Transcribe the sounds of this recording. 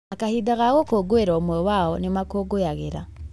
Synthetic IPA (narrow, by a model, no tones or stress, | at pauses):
akahidaɣaɣokoɡoeɾaomwɛwaɔnemakoɡojaɣeɾa̰